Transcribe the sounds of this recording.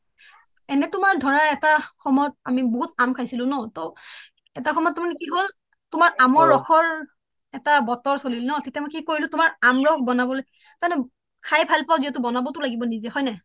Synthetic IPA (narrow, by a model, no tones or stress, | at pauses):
ɛnɛtʊmaɹdʱɔɹaɛtaxɔmɔjɔt̚amiboɦutamkʰajsilʊ̃nɔto | ɛtaxʰɔmɔjɔtːamanɛkiɦol | tʊmaɹamɔɹːɔxʰɔɹ | ɛtabɔtɔɹsolilnɔtetjamɔjkikoɹilʊ̃tʊmaɹamɹɔk̚bɔnabɔlo | tanɛ | kʰajpʰalpaziɦɛtʊbɔnabɔtʊlaɡibɔnizɛhɔjnɛ